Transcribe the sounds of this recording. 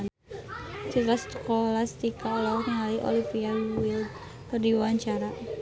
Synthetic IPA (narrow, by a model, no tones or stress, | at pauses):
siɾast̪ə̥kɔlast̪ikalɔŋaliʔo̰lifialuwɪld̪ | kərdiwaɲt͡ʃaɾa